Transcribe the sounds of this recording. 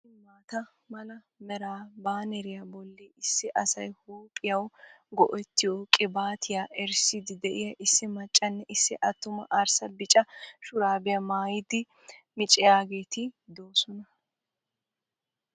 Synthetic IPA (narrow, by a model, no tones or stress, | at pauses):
ɪmmaːt̪ɐ | mɐlɐ | mɛɾaːbaːnɛɾɪjabɔlːeːɪsːɪʔɐsɐjhoːpʼɪjɐwɡɔʔɛt̪ːɪjoːkʼɪbaːt̪ʰɪjaːʔɛɾsɪd̪ɪd̪ɛʔɪjɐʔɪsːɪmɐt͡ʃʼːɐnːɛʔɪsːɪʔɐt̪ːʊmɐ̰ʔɐɾsɐbɪt͡ʃʼɐʃʊɾaːbɪjɐmaːjɪd̪ɪ | mɪt͡ʃʼɪjaːɡe̞ːt̪ɪd̪oːsɔnɐ